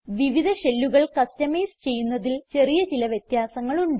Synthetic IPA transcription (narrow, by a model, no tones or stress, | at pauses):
ʋiʋid̪ʱɐɕe̞lːuɣɐɭkɐstɐmeːst͡ɕe̞jːunːɐðilt͡ɕe̞rijɐt͡ɕilɐʋjɐt̪jaːsɐŋːɐɭuɳɖ